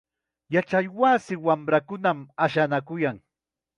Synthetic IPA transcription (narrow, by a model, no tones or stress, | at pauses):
jat͡ʃajwaːsɪwamɾakʊnamaʃanakʊjaŋ